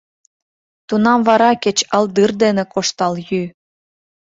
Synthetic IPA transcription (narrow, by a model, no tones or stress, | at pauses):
t̪unɑmvɑɾɑket͡ɕɑld̪ɯrd̪enĕkoʃt̪ɑljy